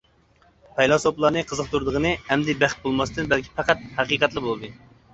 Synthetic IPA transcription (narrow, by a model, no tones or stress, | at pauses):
pʰɛjlˠɑsoplˠɑɾnɨqʰəzəq̚t̪uɾd̪əʁənɨɛmd̪ɪbæχt̪̚bolˠmɑsɨt̪ɨnbælkʲʰi̥pɑqæt̪̚hæqiːqɛt̪lˠɨbolˠɨd̪ɨ